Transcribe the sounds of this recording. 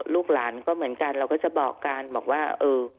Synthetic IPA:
lʊ˦˥k͡p̚laː˨˦nkɔ˨˦mɨ˨˦ənkaː˧˩nlaː˨˩wkɔː˨˦t͡ɕɛ˨˩˦ɓɔ̰ː˨˩kaː˨˧nmɔ˨˩k̚waː˧˩ʔɨː˨˩

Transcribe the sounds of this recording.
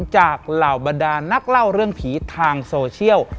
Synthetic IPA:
nt͡ɕaː˨˩k̚laː˨˩wba˧ndaː˧na˦˥˩k̚la˥˩wɾɯ˥˩əŋpʰiː˩˦t̪ʰaː˧ŋsoː˧t͡ɕʰi˥˩əw

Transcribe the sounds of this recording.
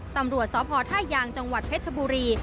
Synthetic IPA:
t̪a˧mɾu˨˩ət̪̚sɔː˩˦pʰɔː˧t̪ʰaː˥˩jːaː˧ŋt͡ɕa˧ŋwa˨˩t̪̚pʰe˦˥t͡ɕʰa˧buː˧ɾiː˧

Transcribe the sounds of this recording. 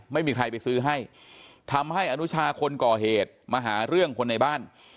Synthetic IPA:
ma˥˩jmiː˧kʰɾa˧jpa˧jsɯː˦˥ɦa˥˩j | t̪ʰa˧mha˥˩jʔa˧nu˦˥t͡ɕʰaː˧kʰo˧nkɔː˨˩ɦeː˨˩t̪̚maː˧ɦaː˩˦ɾɯ˥˩əŋkʰo˧nːa˧jbaː˥˩n

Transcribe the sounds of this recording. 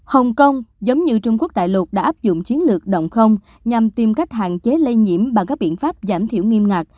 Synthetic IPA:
hə˨˩wŋ͡mkə˧wŋ͡mzə˨˦wŋ͡mɲɨ˧t͡ɕʊ˧ŋ͡mku˦˥ək̚ɗa̰ː˧˨jlwə˨˩t̚ɗa̰ː˧˥ʔaː˦˥p̚zʊ̰˧˨ŋ͡mt͡ɕi˨˦ənlɨ˨˩ək̚ɗə̰˧˨wŋ͡mxə˧wŋ͡m | ɲa˨˩mt̪i˨˩mka˦˥jk̟̚ɦa̰ː˧˨nt͡ɕe˨˦lə˧jɲḭ˧˥əmɓa˨˩kaː˦˥k̚ɓḭ˧˨ənfaː˦˥p̚zaː˧˩mt̪ʰi˧˨əwŋi˧mŋa˨˩k̚

